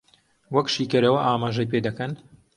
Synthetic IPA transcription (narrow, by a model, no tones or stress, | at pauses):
wɐkʃiːkɐɾɐwɐʔaːmaːʒɐjpeːd̪ɐkɐn